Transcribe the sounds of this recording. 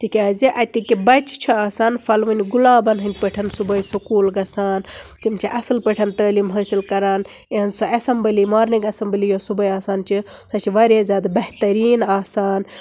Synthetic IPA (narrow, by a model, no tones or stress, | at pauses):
tʰikʲaːziʔɐt̪ikibɐt͡ʃʰt͡ʃʰiaːsaːnfɐlʋɐnʲɡulaːbɐnɦɨnʲt̪̚ʲpəʈʰɐnsubɐjisukuːlɡɐsaːnt͡ʃimt͡ʃʰiʔɐsɨlpəʈʰɐnt̪əːliːmɦəːsilkɐɾaːn | iɦɐnzsoɐsɐmbɨlimaːɾniɡɐsɐmbɨlijosubɐjaːsaːnt͡ʃʰisɐt͡ʃʰiʋaɾʲaːzʲaːd̪bɐht̪ɐɾiːnaːsaːn